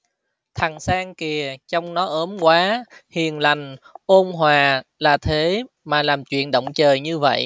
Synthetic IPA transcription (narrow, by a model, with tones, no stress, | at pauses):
t̪ʰa˨˩ŋsaː˧ŋki˨˩ət͡ɕɔ˧wŋ͡mnɔ˨˦ʔəː˨˦mkwaː˨˦hi˨˩ənla˨˩jŋ̟ʔo˧nɦwaː˨˩laː˨˩t̪ʰe˨˦ | maː˨˩laː˨˩mt͡ɕwḭ˧˨ənɗə̰˧˨wŋ͡mt͡ɕəː˨˩jɲɨ˧və̰˧˨jʔ